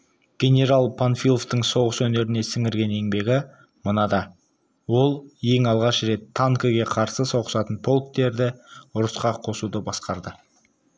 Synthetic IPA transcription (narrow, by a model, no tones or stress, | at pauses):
ɡ̥ʲe̞nʲe̞ɾalˠpʰanfilˠoft̪əɴso̞ʁəswɵne̞ɾɪne̞sɪŋɪɾɡʲe̞ne̞ŋbe̞ɡʲɪ | mənɑd̪ɑ | wo̞lˠje̞ŋɑlˠʁɑʃɾe̞t̪ʰːaŋkəɡʲe̞qʰɑɾsəso̞ʁəsɑt̪ənpʰo̞lˠk̚t̪e̞ɾd̪ɪʊɾəsqɑqʰo̞sud̪əbɑsqɑɾd̪ə